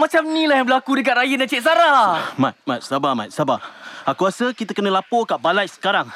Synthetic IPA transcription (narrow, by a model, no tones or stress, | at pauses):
mat͡ʃamnĩlajaŋbəlakudəkat̪̚ɾajənãt͡ʃeʔs̬aɾamat̪̚mat̪̚sabama̰t̪̚sabaakuasəkit̪əkənəlapokaʔbalajsə̥kaɾaŋ